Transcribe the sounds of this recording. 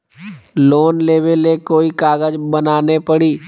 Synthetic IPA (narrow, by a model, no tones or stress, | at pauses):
loːnleːʋelekoːikaːɣəd͡ʒbənaːnepəɽiː